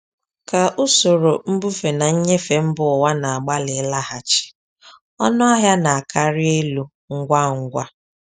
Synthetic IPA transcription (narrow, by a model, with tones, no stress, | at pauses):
ka˨ʔʊ˦so˨ɾo˨m̩˦bu˦fe˨na˨ɲ̩˦ɲe˦fe˨m̩˦bʊ˨ʊ˨wa˦na˨a˨ɡ͡ba˦lɪ˨˦la˦ha˨t͡ʃɪ̥˨ | ɔ̰˦nɔ˦a˦ɦja˦na˨a˨ka˦ɾɪ˦e˦lu˦ | ŋ̩˦ɡʷa˦ŋ̩˦ɡʷa˦